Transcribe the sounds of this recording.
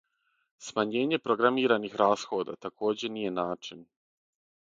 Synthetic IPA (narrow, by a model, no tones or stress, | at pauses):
smaɲe̞ːɲe̞pɾoɡɾamiːɾanixɾaːsxo̞ːd̪a̰t̪akʰo̞ːd͡ʑe̞nije̞naːt͡ʃin